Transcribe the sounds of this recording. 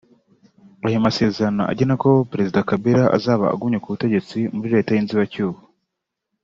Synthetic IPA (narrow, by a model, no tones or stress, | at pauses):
ajumase̞ːzɾnoʔa̰ɟenako̞pɾe̞zidakabiɾaʔa̰zaːβa̰ːɡumɲekuβute̞ɟe̞t͡simuɾiɾe̞ːtajiːnziβacuːβu